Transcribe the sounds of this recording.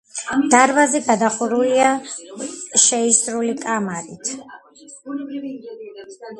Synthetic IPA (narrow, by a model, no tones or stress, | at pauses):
d̪̥aɾvazɛɡad̪aχuɾulia | ʃɛisɾulikʼamaɾit̪ʰ